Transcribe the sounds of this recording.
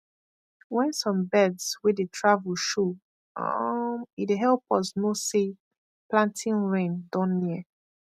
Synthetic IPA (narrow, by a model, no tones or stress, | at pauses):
wɛ̃nsɔ̃mbɛdswidetʰɹavulʃu | ɔ̰̃mideɦɛlpɔsnose | plãntʰĩnɹẽndɔ̃nːiə